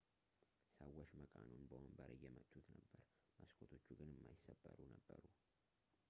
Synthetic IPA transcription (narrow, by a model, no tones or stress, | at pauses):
səwːɔʃməkʼanunbəwəmbəɾəjːɛmət̪ʰʼːut̪nəbːəɾ | məskʰʼot̪ʰo̞t͡ʃːuɡɨnɨmːajɪsːəbːəɾunəbːəɾu